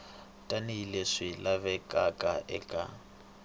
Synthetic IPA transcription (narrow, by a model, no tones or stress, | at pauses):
tʼaniileʂilaβɛkʼakʼaʔɛkʼa̰